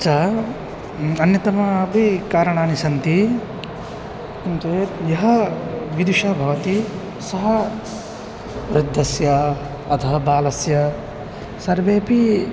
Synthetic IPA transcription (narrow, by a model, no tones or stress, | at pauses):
ɐt͡ʃʰaː | ɐnjɐt̪ɐmɐɐpikaːɾɐɳaːnisɐnt̪i | kumt͡ʃet̪jɐɦɐʋid̪uʃɐbʱɐʋɐt̪i | sɐɦɐ | ʋɾɪd̪ʱːɐsjɐ | ɐt̪ʰɐɦɐbaːlɐsjɐ | sɐɾʋeːpi